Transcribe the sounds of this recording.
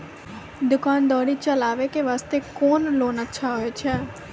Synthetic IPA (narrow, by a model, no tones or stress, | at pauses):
d̪ʊkaːnd̪ɔːɽit͡ʃəlaːʋekeʋaːst̪ekoːnloːnətːʃʰaɦoet͡ʃʰɛː